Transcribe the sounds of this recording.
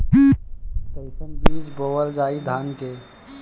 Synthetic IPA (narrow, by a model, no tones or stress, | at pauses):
teɪsənbiːsboːwəld͡ʒaːid̪ʱaːnke